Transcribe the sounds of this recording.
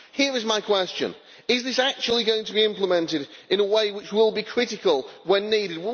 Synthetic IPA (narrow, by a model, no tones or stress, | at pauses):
hiəɹɪzmaɪkʰw̥ɛst͡ʃə̰̃n | ɪzðɪsak̚t͡ʃul̩ˠiɡoʊɪ̃ŋtʰəbiɪ̃mpləmɛ̃ntɪɾɪ̃ñəweɪwɪt͡ʃwɪlˠbikʰɹ̥ɪtɪkəlˠwə̃nːiːɾɪd̚w